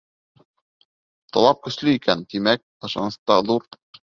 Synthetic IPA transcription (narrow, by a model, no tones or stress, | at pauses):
t̪ɒ̰lˠɑp̚kɵ̆ʃlɘikænt̪imæk̚ɤ̆ʃɑ̰nɤ̆st̪ɑðuɾ